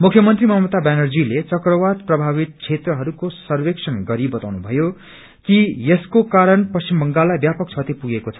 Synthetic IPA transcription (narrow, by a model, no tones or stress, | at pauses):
mukʰjʌmʌnt̪rimʌmʌt̪abanʌrd͡zilet͡sʌkrʌwat̪̚prʌbʱaβit̪̚t͡sʰet̪rʌɦʌɾukosʌrweksʰʌnɡʌɾibʌt̪awnubʱʌjo | kijeskokaɾʌnpʌsimbʱʌŋɡalːajbjapʌk̚t͡sʰʌt̪ipuɡekot͡sʰʌ̥